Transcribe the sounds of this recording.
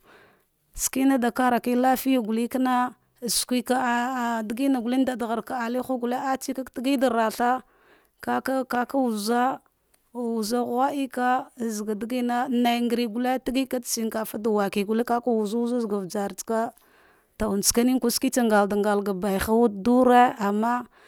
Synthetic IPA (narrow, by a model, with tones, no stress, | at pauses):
ski˦na˦da˨ka˦ɾa˨ki˦la˦fi˦ja˦˨ɡu˨li˦ka˦na˦˨ | skʷi˦ka˦˨di˨ɡi˦na˨ɡu˨li˦n˦da˨dɣa˨ɾka˨a˨li˦xa˦ɡu˨la˦a˦t͡ʃi˦ka˦kti˦ɡi˦da˨ɾa˨ɬa˦ | ka˦ka˦ka˦ka˦wu˨za˦˨ | u˨za˦ɣa˦ʔi˦ka˦˨zɡa˨dɡi˦na˦na˨jŋɡɾi˨ɡu˨le˦ti˦ɡi˦ka˦tsi˦ŋ˦ka˨fa˦da˨wa˨ki˨ɡu˨le˦ka˦ka˦wu˨za˦u˦za˦zɡa˨vd͡ʒa˨ɾt͡ska˦ | ta˨u˨n˨t͡ska˦ni˦ŋku˦ski˦t͡sa˦ŋɡa˨lda˨ŋɡa˨lɡa˨ba˨jxa˦wu˦du˦ɾe˦a˨mːa˦